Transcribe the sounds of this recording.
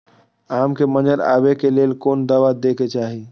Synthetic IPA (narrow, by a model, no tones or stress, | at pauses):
amkeməd͡ʒəɾa̰bekelelkond̪əʋad̪eket͡ʃaɦi